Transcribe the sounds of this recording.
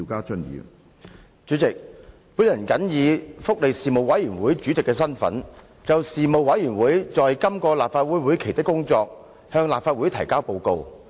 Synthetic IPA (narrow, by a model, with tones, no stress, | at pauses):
i˧kaː˥t͡ʃɵ˥njḭː˨˧w | t͡ʃyː˨˥t͡sɪ˨k̚ | puː˨˥jɐ˨˩nkɐ˨˥njiː˨˧fʊ˥k̚le˨˩jsiː˨˩mo˨wɐ˨˥jyː˨˩nwuː˨˥jt͡ʃy˨˥t͡sɪ˨kːɛː˧sɐ˥nfɐ̰˨˥n | t͡sɐ˨wsiː˨mo˨wwɐ˨˥jjyː˨˩nwuː˨˥jt͡sɔː˨jkɐ˥mkɔː˧laː˨p̚faː˧t̚wuː˨˥jwu˨˥jkʰe˨˩jt̪ɪ˥kːʊ˥ŋt͡sɔː˧k̚ | hœː˧ŋlaː˨p̚faː˧t̚wu˨˥jt̪ʰɐ˨˩jkaː˥wpo˧wko˧w